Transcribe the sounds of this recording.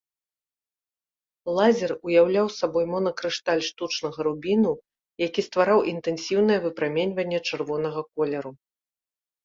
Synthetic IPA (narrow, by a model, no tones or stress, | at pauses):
lˠazʲɛrujawlʲawsabɔjmɔnɐkɾɨʂt̪alʲʂt̪ut͡ʂnɐɣɐɾubʲinu | jakʲist̪vaɾawʔint̪ɛnsʲiwnɨjɛvɨpɾamʲenʲvɐnʲːɛt͡ʂɨrvɔnɐɣɐkɔlʲɛɾu